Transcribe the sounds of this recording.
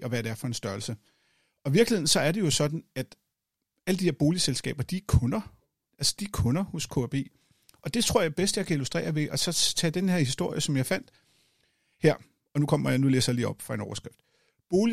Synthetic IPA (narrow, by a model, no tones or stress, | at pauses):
ʔɒ̽ʋæd̥æɐ̰fɒ̽e̝nsd̥ɶɐlsə | ɒ̽ʋiɐɡlihe̝n̩sɒ̽æɐɾe̝jo̝sɒ̽d̥n̩æd̥ | æləd̥ihe̝ɐ̰b̥o̝ːliselsɡ̥ɛ̰ːb̥ɐd̥ikʰɔ̽nɐ | ʔælsɐ̥d̥ikʰɔ̽nɐhoskʰo̝æb̥e̝̰ː | ʔɒ̽d̥e̝t͡sʰʁoɐ̰jɑ̈ɪb̥esd̥əjɑ̈kʰæilusd̥ʁḛːɐʋe̝ʔɒ̽sɒ̽t͡sʰɛ̰ːd̥enheɐ̰hisd̥o̝ɐ̰jəsɒ̽mjɑ̈ɪfæn̰d̥ | heɐ̰ | ɒ̽nukʰɒ̽m̰ɐjanulḛːsjalḭːɒ̽b̥fʁɑ̈e̝nɒʊɐsɡ̥ʁafd̥ | b̥o̝ːli